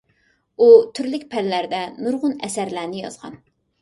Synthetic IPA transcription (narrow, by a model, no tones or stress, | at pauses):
ut̪ʰyɾlɪkʲpʰɛlːæɾd̪ɛnuɾʁʊnɛsæɾlæːnɪjɑ̰zʁɑ̰n